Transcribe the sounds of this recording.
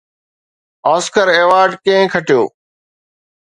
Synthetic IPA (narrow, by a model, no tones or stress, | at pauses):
aːskəɾeːʋaːɾɖkẽɦɪ̃kʰəʈɪjo̰ː